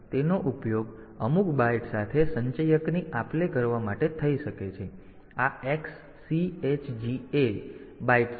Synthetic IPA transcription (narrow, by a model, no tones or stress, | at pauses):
t̪enoʔupjoɡ | əmukbaʈsat̪ʰesəɲt͡ʃəjəkniʔaplekəɾʋamaʈet̪ʰəiʃəket͡ʃʰe | aeksː | iet͡ʃd͡ʒiebaiʈ